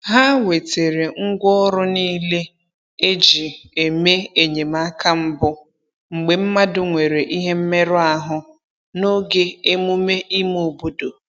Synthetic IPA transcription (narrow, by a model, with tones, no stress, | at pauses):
ɦa˦we˨te˨ɾe˨ŋ̩˦ɡʷɔ˦ɾʊ˦niː˦le˦ | e˦d͡ʒi˨e˨me˦e˨ɲe˨m˨a˦ka˦m̩˦bʊ˦ | ŋ͡m̩˨ɡ͡be˨m̩˦ma˦dʊ˨ŋʷe˨ɾe˨ʔi˦ɦe˦m̩˦me˦ɾʊ˦a˨ɦʊ˦ | no˦ɡe˦e˦mu˦me˦ʔi˦m˦o˨bo˦do˨